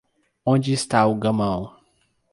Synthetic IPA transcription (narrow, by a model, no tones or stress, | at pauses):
õd͡ʒɪɪst̪aʊɡɐmɐ̃w̃